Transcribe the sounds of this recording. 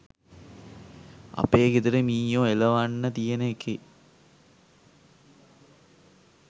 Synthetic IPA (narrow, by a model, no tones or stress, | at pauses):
a̰peːket̪uɾemiːjõːeləʋanːət̪ijenəeke